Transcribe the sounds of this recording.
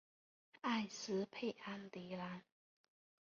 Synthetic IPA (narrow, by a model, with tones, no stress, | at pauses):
a˥˨ɪs̩˧˦pʰe˥˩ɪʔa˥nt̪i˨˧˦la˧˦n